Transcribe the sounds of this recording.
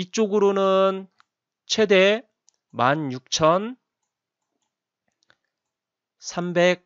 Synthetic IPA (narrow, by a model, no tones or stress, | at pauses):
it͡ɕ͈oɡɯɾonɯn | t͡ɕʰwe̞de̞ | manjuk̚t͡ɕʰʌn | sʰambek̚